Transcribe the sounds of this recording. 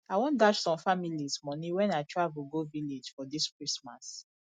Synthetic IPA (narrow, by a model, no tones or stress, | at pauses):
aɪwɔ̃ndaʃsɔ̃mfamilismɔnĩwɛ̃naɪtʰɹavuɡoviled͡ʒfɔdiskɹismas